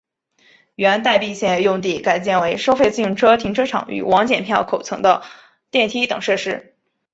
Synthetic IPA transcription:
ɥɛ˧˥nt̪a˥˧ɪpi˥˧ɕjɛ˥˩njʊ˥˧ŋt̪̬i˥˩ka˨˩ɪpjɛ˥˩nwe˧˥ɪʂo˥ʊfe˥˧ɪt͡si˥˩ŋʈ͡ʂʰɤ˥t̪ʰi˧˥ŋʈ͡ʂʰɤ˥ʈ͡ʂʰɑ̰˨˧˥ŋy̰˨˩wʔɑ˧˥ŋt͡ɕjɛ˨˩npʰjɑ˥˩ʊkʰo˨˩ʊt͡sʰɤ˧˥ŋd̪ə˧ | t̪jɛ˥˩nt̪ʰi˥t̪ɤ˨˩ŋʂɤ˥˧ʂɻ̩˥

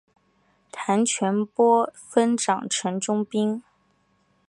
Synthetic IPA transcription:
t̪ʰa˧˥nt͡ɕʰɥɛ˧˥npwɔ˥fə˥nʈ͡ʂɑ˨˩ŋʈ͡ʂʰə˧˥nʈ͡ʂʊ˥ŋpi˥ŋ

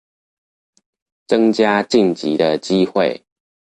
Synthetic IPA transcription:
t͡sə˦ŋt͡ɕja˦t͡ɕi˥˨nt͡ɕḭ˨˦d̪ə˨t͡ɕi˦xwe˥˨ɪ

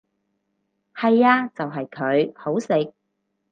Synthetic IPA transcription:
hɐ˨jaː˧t͡sɐ˨wɦɐ˨jkʰɵ˨˧ɥho˨˥wsɪ˨k̚

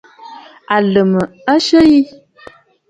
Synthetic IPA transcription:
a˨lə˨mə˨ | a˦ʃə˦ji˦

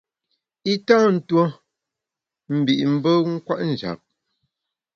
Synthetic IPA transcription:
i˦taː˦n̩˨two˦ | m̩˨bi˨ʔm̩˦bə˦ŋ̩˦kwa˦ʔn̩˨d͡ʒa̰˨p̚

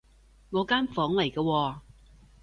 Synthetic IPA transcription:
ŋɔː˨˧kaː˥nfɔː˨˥ŋlɐ˨˩jkɐː˧wɔː˧

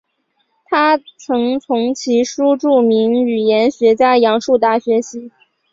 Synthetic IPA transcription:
t̪ʰa˥t͡sʰɤ˧˥ŋt͡sʰʊ˧˥ŋt͡ɕʰi˧˥ʂu˥ʈ͡ʂu˥˩mi˧˥ŋy˨˩jɛ˧˥nɕɥɛ˧˥t͡ɕja˥˩ɪjɑ˧˥ŋʂu˥˧t̪a˥˩ɕɥɛ˧˥ɕi˧˥

